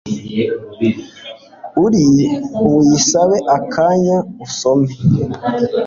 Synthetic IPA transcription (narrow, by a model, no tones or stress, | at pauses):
uɾiujisaβeʔakʰaːɲausome